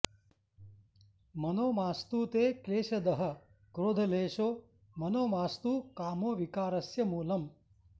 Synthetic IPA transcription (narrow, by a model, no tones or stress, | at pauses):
mɐnoːmaːst̪uːt̪eːkleːʃɐd̪ɐɦɐ̆ | kɾoːd̪ʱɐleːʃoː | mɐnoːmaːst̪uːkaːmoːʋikaːɾɐsjɐmuːlɐm